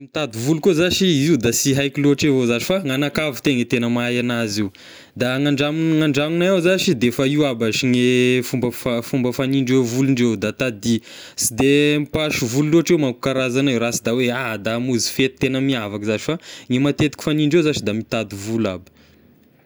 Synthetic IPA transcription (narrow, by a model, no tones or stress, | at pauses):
mit̪ad̪uvulukozaʃiiud̪asiɦajkiloʈ͡ʂevozaʈ͡ʂifaŋanakavi̥t̪eŋət̪enəmajanaziw | d̪aŋaɳɖ͡ʐamnŋaɳɖ͡ʐaminaawzaʃid̪efaiwabaʃiŋefumbəfafumbəfaniɳɖ͡ʐewvuluɳɖ͡ʐewd̪at̪ad̪i | sid̪emipaʃuvululoʈ͡ʂewmaku̥kaɾazaniwɾasid̪awead̪amuzi̥fet̪i̥t̪enəmiavakzat͡ʃi̥faŋemat̪et̪i̥ki̥faniɳɖ͡ʐewzat͡ʃid̪amit̪ad̪uvula̰bi̥